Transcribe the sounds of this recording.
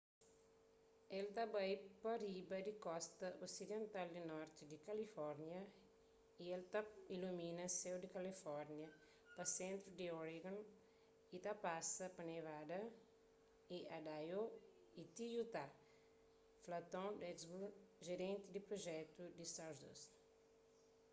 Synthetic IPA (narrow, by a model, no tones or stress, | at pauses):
elt̪abajpɐɾibɐd̪ikɔst̪ɐʔosid̪ẽnt̪ald̪inɔɾt̪id̪ikɐlifɔɾnjɐ | ielt̪ailuminɐsewd̪ikɐlifɔɾnjɐ | pɐsẽnt̪ɾud̪ioɾiɡɐ̃n | it̪ɐpasɐpɐnevad̪ɐ | iɐd̪ajo | it̪ijut̪a | flɐt̪õd̪ɛzbuʒeɾẽnt̪id̪ipɾoʒɛt̪ud̪isawɾd̪o̰s